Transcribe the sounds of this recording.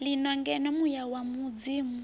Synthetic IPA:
linɔŋɡɛnɛmujawamud͡ziːmu

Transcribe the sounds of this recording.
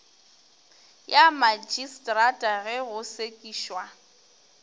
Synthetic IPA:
jamad͡ʒistʼratʼaɣɛɣʊsekʼiːʃwa

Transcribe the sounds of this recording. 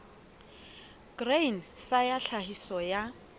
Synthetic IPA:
ɡ̥rensajaɬahisɔja

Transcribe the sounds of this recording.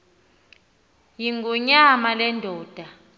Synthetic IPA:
jiŋɡʱɔɲamalɛndʱɔːd̥ʱa

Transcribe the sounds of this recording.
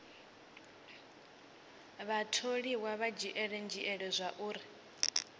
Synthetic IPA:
βatʰoɺiwaβad͡ʒiʔɛɺɛnd͡ʒiʔɛɺɛzʷaʔuːɾi

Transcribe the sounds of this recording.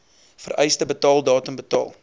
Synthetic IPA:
fə̰ɾʔɛjstəbətɑːlˠdɑːtəmbətɑ̰ːlˠ

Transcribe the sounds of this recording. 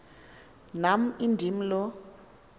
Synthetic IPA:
nam̩indʱim̩lɔ

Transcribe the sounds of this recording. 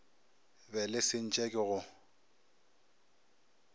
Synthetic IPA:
bɛlɪsɪn̩t͡ʃʼɛkʼɪɣʊ

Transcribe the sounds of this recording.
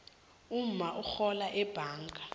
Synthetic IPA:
um̩maʔuxɔlaʔɛb̥ʱaːŋɡʼʱa

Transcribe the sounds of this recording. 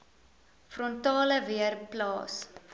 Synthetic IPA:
frɔntɑːləviərplɑːs

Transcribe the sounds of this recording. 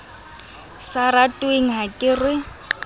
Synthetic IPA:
saɾatʼweŋ̩ɦakʼɪrɪ

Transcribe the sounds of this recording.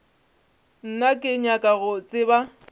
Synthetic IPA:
n̩nakʼɪɲakʼaɣʊt͡sʼɪba

